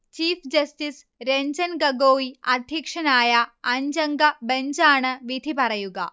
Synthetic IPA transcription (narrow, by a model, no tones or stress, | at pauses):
t͡ʃiːpʰd͡ʒɐsʈis | ɾeɲd͡ʒɐnɡɐɡoːiɐd̪ʱikʂɐnaːjɐɐɲd͡ʒɐŋɡɐbɐɲd͡ʒaːɳɨʋid̪ʱipɐɾɐjuɡɐ̰